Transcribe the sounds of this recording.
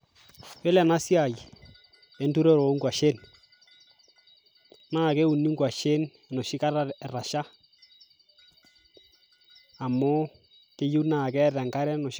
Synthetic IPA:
e˦lɛ˨na˦sja˨j | e˨˦ntu˦ɾe˦ɾo˨˦ŋɡwa˨ʃe˦˨n | naː˦˨ke˦u˨nːi˦ŋɡwa˨ʃe˦n˨ | nɔ˨ʃi˦ka˦ɾa˦˨ra˨ʃa˦˨ | mʊ˦ | ke˦ju˦na˦˨kɛ˦tɛ˨ŋka˦ɾɛ˦nɔ˨ʃ

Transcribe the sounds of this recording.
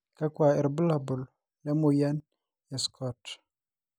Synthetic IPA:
ka˦kwa˨ɛ˨ɾbu˦la˨bʊ˨l | ja˦mo˨ja˦n | ja˨skʰɔ˦t

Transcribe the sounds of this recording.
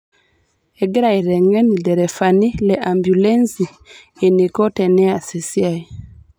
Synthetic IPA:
e˨ɡɾa˨i˨ɾɛ˨ŋɛ˦ni˨dɛ˨ɾɛ˨fa˨ni˦lɛ˨ʔa˨mbju˨lɛ˦nsi˨ | e˨ni˨kɔ˦tɛ˨nɛ˦a˨se˨si˦a˨i˨

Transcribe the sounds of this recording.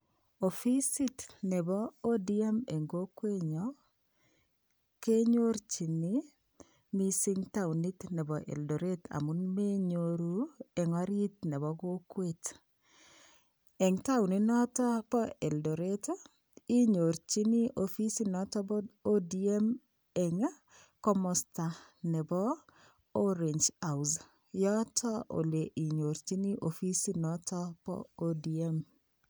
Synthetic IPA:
o˨fi˦si˦tnɛ˨bɔ˦o˦di˦e˦me˨ŋɡo˦kwe˦ɲɔ˦ | ke˦ɲo˦ɾt͡ʃi˨ni˦ | mi˦si˦ŋta˦wni˦tnɛ˨bɔ˨ʔḛ˨ldo˨ɾe˦ta̰˨mu˦nme˦ɲo˨ɾu˦ɛ˨ŋɔ˦ɾi˦t̚nɛ˨bɔ˦ɡo˦kwe˨t | ɛ˨ŋta˦wni˨˦nɔ˦tɔ˦pɔ˦ɛ˨ldo˨ɾe˦to˦ | i˦ɲo˨ɾt͡ʃi˦ni˦ʔofi˦si˦nɔ˨˦tɔ˦bɔ˦o˦di˨e˦m | ɛ˨ŋ˦ | kɔ˦mɔ˨sta˨nɛ˨bɔ˦ | o˦ɾe˨ɲd͡ʒa˨wz | jɔ˦tʰɔ˦ʔo̰˨le˨ʔi˨ɲo˨ɾt͡ʃi˦ni˦ʔo˨fi˦si˦nɔ˦tʰɔ˦pɔ̰˦o˦di˨e˦m

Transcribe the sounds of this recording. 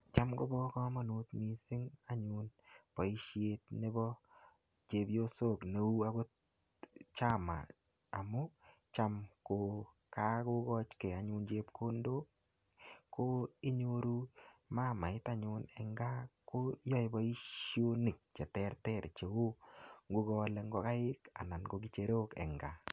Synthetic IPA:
t͡ʃa˦mɡo˦bɔ˦kɔ˦mɔ˦nu˦t̪mi˨sɪ˦ŋa˦ɲʊ˨npɔ˨i˦ʃje˦t̚ne˦bɔ˦ | t͡ʃe˨˦bjo˦so˦˨kne˨u˦a˦ɡo˦ | t͡ʃa˦ma̰˨ | a˨mo˦ | t͡ʃa˦mko˨ | ka˦ko˦ɡɔ˦t͡ʃke˨a˨ɲʊ˧nt͡ʃe˦pkʰo˦ndo˦ | kʰːo˦ɪ˦ɲo˦ɾu˦ma˦˨ma˨ɪ˦ta˦ɲʊ˧nɛ˨ŋɡa˦ko˦jɔ˦ɪ˨bɔ˦i˦ʃjo˦ni˨k̚t͡ʃɛ˨tɛ˦ɾtɛ˦˨ɾt͡ʃe˨o˦ŋɡu˦ɡɔ˦lɛ˧ŋɡɔ˨ka˦ɪ˦ka̰˨na˨nɡo˨ɡi˦t͡ʃe˨ɾo˦kɛ̰˨ŋɡa˨

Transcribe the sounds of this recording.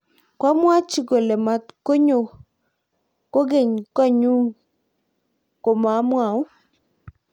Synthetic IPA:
kwa˦mwa˦t͡ʃi˦ɡo˨lɛ˨ma˨t̪ko˦ɲo˨ | ko˦ɡe˦˨ɲka˦ɲu˦ŋ | ko˨ma˨˦mwa˨ʊ˦

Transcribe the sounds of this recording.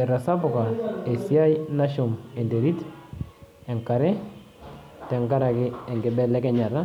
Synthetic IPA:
ɛ˨ɾa˨sa˦pʊ˨ka˨e˨sia˦jna˦ʃʊ˨me˨nde˨ɾi˦t | ɛ˨ŋka˨ɾɛ˦ | tɛ˨ŋka˦ɾa˨kɪ˦ɛ˨ŋɡɪ˨bɛ˦lɛ˦kɛ˦ɲa˨ɾa˦

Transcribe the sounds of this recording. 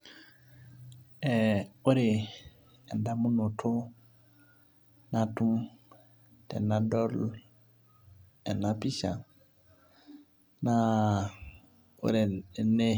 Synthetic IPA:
ɛ˨o˦ɾe˨ | ɛ˨nda˨mũ˦no˨tʰo˦ | na˨tu˦m | tɛ̰˨na˦dɔ˦l | ɛ˨na˨˦pi˦ʃa̰˨ | na˦ | o̰˦ɾe˨ne˦

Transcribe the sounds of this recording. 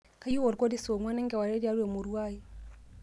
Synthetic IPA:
ka˦ju˦wɔ˨ɾkɔ˦di˦so˨mwa˦nɛ˦ŋɡɛ˨wa˨ɾɛ˦di˦a˨˦ɾɛ˨mu˨ɾu˦a˦i˦

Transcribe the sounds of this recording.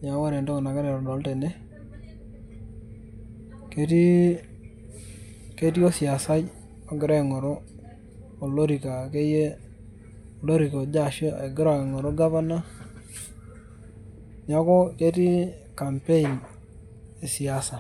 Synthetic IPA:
ɲa˨˦a˦ɾe˨ndo˦ŋ˨na˨ke˦ne˨ɾo˨lo˨lte˨ne˦ | ke˨˦ti˦ | ke˦ti˦o˦si˨a˨sa˦j | o˨ɡɪ˨ɾe˦˨ŋo˨ɾoː˦˨ | lo˦ɾi˨ka˨ke˦je˦ | o˨lo˦ɾi˨ko˨d͡ʒa˨ʃo˦e˨ɡɪ˦ɾa˨kŋɔ˨ɾo˦ɡa˦pa˦na˦ | ɲa˨˦ko˦ke˦ti˦ka˨mpe˦i˨n | e˨si˨a˦sa˨

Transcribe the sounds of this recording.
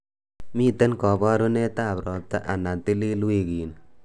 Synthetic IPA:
mi˦t̪e˦nkɔ˨ba˦ɾu˦ne˦t̪a˦˨pɾɔ˨t̪a˦ʔa˨na˨t̪i˦li˦lu˦e˦˨kiː˨n

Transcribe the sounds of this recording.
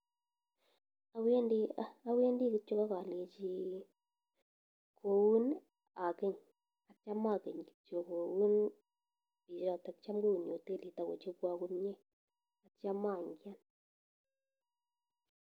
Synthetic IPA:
a˨we˦ndi˦a˦a˦we˦ndi˦ki˦t͡ʃo˦ka˦ka˨le˨t͡ʃi˦ | kʰo˨u˦n | a˨ke˦ɲ | a˨t͡ʃa˦ma˦˨ke˨ɲki̥˨t͡ʃo˦˨ko˨wu˦n | bi˨ʃa˦˨ta˨kt͡ʃa˦mɡo˦u˨ɲo˨te˦˨li˨ta˨ko̰˨t͡ʃe˦kwa˦ku˦nɲe˦ | a˨t͡ʃa˦ma˦˨ŋɡja˦n

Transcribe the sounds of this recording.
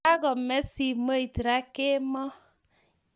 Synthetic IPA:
a˦kɔ˨mɛ˦si˨mo˦i˨ti˨ɾa˦kɪ˦mɔ˦

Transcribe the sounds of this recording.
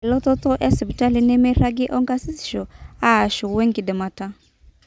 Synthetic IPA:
ɛ˨lɔ˦t̪ɔ˦t̪ɔ˦ʔɛ˦sɛ˨pi˨ta˦li˨nɛ˦mɛ˦ɾa˦ɡi˦ʔɔ˦ŋɡa˦si˦sʃɔ˨a˦˨ʃu˨wɛ˦ŋɡi˨dɛ˨ma˨ta˦

